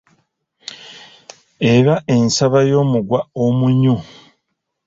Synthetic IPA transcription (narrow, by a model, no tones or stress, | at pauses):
eɾaʔe̞nsaβajo̞ːmuɡwaomuɲu